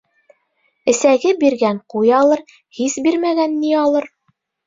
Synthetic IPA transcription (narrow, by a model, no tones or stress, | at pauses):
ɘ̆sæɡɘbiɾɡæɴqujɑlˠɤɾ | hisbiɾmæɡænːiɑlˠɤɾ